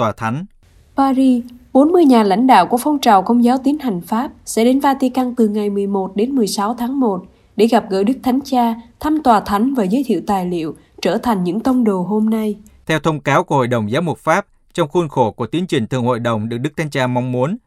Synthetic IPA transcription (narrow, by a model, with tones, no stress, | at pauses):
t̪waː˨˩t̪ʰa˨˦jŋ̟ | paː˧zi˧ɓo˨˦nmɨ˧əjɲaː˨˩la̰˧˥jŋ̟ɗa̰ː˧˨wku˧˩əfɔ˧wŋ͡mt͡ɕaː˨˩wkə˧wŋ͡mzaː˨˦wt̪i˨˦ənha˨˩jŋ̟faː˦˥p̚sɛ̰˧˥ɗe˨˦nvaː˧t̪i˧ka˧ŋt̪ɨ˨˩ŋa˨˩jmɨ˨˩əjmo˨˩t̚ɗe˨˦nmɨ˨˩əjsa˨˦wt̪ʰaː˨˦ŋmo˨˩t̚ | ɗe˧˩ɣa˨˩p̚ɣə̰ː˧˥ɗɨ˦˥k̚t̪ʰa˨˦jŋ̟t͡ɕaː˧t̪ʰa˧mt̪waː˨˩t̪ʰa˨˦jŋ̟vaː˨˩zə˨˦jt̪ʰḭ˧˨wt̪aː˨˩jlḭ˧˨əw | t͡ɕəː˧˩t̪ʰa˨˩ŋ̟ɲɨ̰˧˥ŋt̪ə˧wŋ͡mɗo˨˩ɦo˧mna˧j | t̪ʰɛ˧wt̪ʰə˧wŋ͡mkaː˨˦wku˧˩əho̰˧˨jɗə˨˩wŋ͡mzaː˨˦wmʊ˨˩t̚faː˦˥p̚ | t͡ɕɔ˧wŋ͡mxu˧nxo˧˩ku˧˩ət̪i˨˦ənt͡ɕï˨˩ŋt̪ʰɨ˨˩əŋho̰˧˨jɗə˨˩wŋ͡mɗɨ˨˩ək̚ɗɨ˦˥tʰa˨˦jŋt͡ɕaː˧ma˧wŋ͡mmu˨˦ən